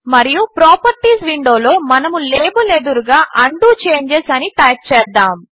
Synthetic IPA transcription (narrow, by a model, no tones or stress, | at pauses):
mɐɾijupɾoːpɐɾʈiːsʋiɳɖo̞ːlo̞ːmɐnɐmuleːbuled̪uɾɡaːʔɐɳɖuːt͡ʃe̞ːɲd͡ʒesɐnit̪ɐːt͡ʃɛːd̪ːaːm